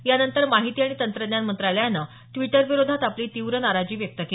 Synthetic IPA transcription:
janənt̪əɾmaɦit̪iːaɽ̃it̪ənt̪ɾəd̪njanmənt̪ɾajljanːə | ʈʋiʈəɾʋiɾod̪ʱat̪apliːt̪iʋɾənaɾad͡ʑiːʋjək̚t̪əke

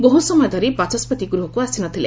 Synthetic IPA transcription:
boɦusɔmɔjɔd̪ʱɔɾibat͡ʃɔspɔt̪iɡuɾuɦɔkuasinɔt̪ʰilḛ

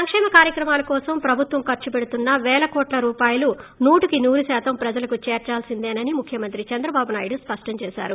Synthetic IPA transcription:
sɐŋkʂɛːmɐkaːɾjɐkɾɐmaːlɐkɔːsɐmpɾɐbʱut̪ʋɐmkɐɾt͡ʃupeɽut̪unːɐʋɛːlɐkɔːʈlɐɾuːpaːjɐlunuːʈikinuːɾusaːt̪ɐmpɾɐd͡ʒɐlɐkut͡ʃeːɾt͡ʃaːlsind̪eːnɐnimukʰjɐmɐnt̪ɾit͡ʃɐnd̪ɾɐbaːbunaːjiɽuspɐʂʈɐmt͡ʃɛːsa̰ːɾu

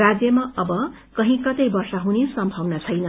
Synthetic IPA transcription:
rad͡zjʌmaʌbʌ | kʌɦĩkʌt̪ʌjbʌrsʌɦunesʌmbʱʌwnat͡sʰʌjnʌ

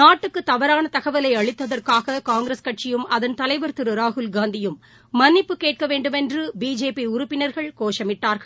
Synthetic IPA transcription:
naːʈːɯkːɯt̪ːɐʋɐɾaːnɐt̪ɐɣɐʋɐlɐɪɐɭɪt̪ːɐðɐrkaːɣɐkaːŋɡɾɐskɐʈ̚t͡ʃɪjɯmɐðɐnt̪ɐlɐɪʋɐɾt̪ɯɾɯɾaːɦɯlɡaːnd̪ɪjɯmː | ɐnːɪpːɯkeːʈ̚kɐʋeːɳɖɯmɛndrɯbiːd͡ʒeːpiʊɾʊpːɪnɐɾɣɐɭkoːʂɐmɪʈːaːɾɣɐɭ

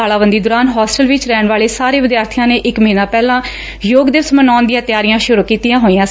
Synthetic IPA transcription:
aːlaːʋənd̪iːd̪ʊːɾaːnɦɔːsʈəlʋɪt͡ʃɾɛːɳʋaːleːsaːɾeːʋɪd̪jaːɾt̪ʰɪjãːneːʔɪkməɦiːnãːpɛːlãː | joːɡd̪eːʋsmənaːnd̪ɪjãːt̪ɪjaːɾijãːʃʊɾuːkiːt̪ijãːɦoːiːãː

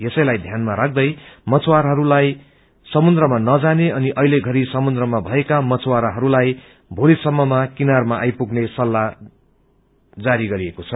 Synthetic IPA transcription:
jesʌjlajd̪ʱjanmaɾak̚ʰd̪ʌjmʌt͡swaɾɦʌɾulaj | sʌmund̪rʌmanʌd͡zaneʌniʔʌɦileɡʱʌɾisʌmund̪rʌmabʱʌekamʌt͡swaɾaɦʌɾulaj | bʱolisʌmːʌmakinarmaʔajpuɡnesʌlːa | d͡zaɾiɡʌɾiekot͡sʰʌ

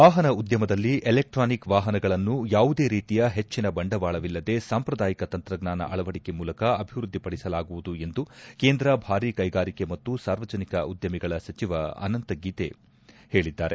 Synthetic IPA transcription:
ʋaːɦɐnɐud̪jɐmɐd̪ɐlːiʔelek̚ʈɾaːnikʋaːɦɐnɐɡɐɭɐnːujaːʋud̪e̞ːɾiːt̪ijɐɦe̞t͡ʃːinɐbɐɳɖɐʋaːɭɐʋilːɐd̪e̞saːmpɾɐd̪aːjikɐt̪ɐnt̪ɾɐɡnaːnɐ̰ʔɐɭɐʋɐɽike̞muːlɐkɐɐbʱiʋɾud̪ʱːipɐɽisɐlaːɡuʋud̪ue̞nd̪uke̞ːnd̪ɾɐbʱaːɾiːkɐjɡaːɾike̞mɐt̪ːusaːɾʋɐd͡ʒɐnikɐud̪jɐmiɡɐɭɐsɐt͡ʃiʋɐɐ̰nɐnt̪ɐɡiːt̪e̞̰ | he̞ːɭid̪ːaːɾe

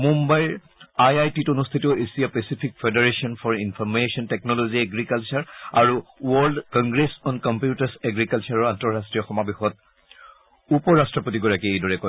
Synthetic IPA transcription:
mumbajɹ | ajajtitonust̪ʰiteʊʔesijapesipʰik̚fʰedaɹesiɔnfʰɔɹinpʰɔɹmesɔntɛknɔloziɛɡɹikalt͡ʃaɹaɹuwɔɹldkɔ̃ŋɡɹesɔnkɔmpjutasɛɡɹikalt͡ʃaɹɔantɔɹastɹiɔxɔmabexɔt̚ | upɔɹastɹɔpotiɡɔɹakiejdɔɹɛkɔ

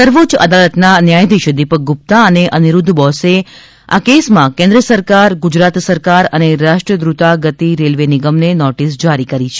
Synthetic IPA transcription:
səɾʋod͡ʒə̰d̪alət̪nanjajd̪iʃəd̪ipək̚ɡup̚t̪aəneʔəniɾud̪ʱːbɔse | a̰kesmãkẽnd̪ɾəsəɾkaɾɡud͡ʒɾat̪səɾkaɾəneɾaʃʈɾəd̪ɾut̪aɡət̪iɾelʋeniɡəmnenɔʈisd͡ʒaɾikəɾit͡ʃʰe

